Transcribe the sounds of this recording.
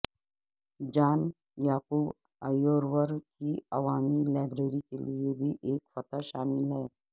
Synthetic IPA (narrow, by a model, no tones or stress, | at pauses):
d͡ʑaːn | jaːkuːb | əjoːɾʋəɾkiɐʋaːmilaːbɾeɾikeliebʱiːʔeːkfət̪aʃaːmɪlɦɛː